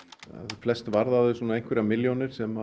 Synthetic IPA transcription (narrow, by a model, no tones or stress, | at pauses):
a̰ðflɛst̪vaɾðaðʏsɔːnaejn̥ŋkvɛɾamɪljonɪɾ̥sɛma